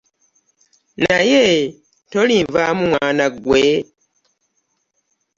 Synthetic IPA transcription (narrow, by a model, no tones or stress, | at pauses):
naje | toliːɱvaːmumwaːnaɡwe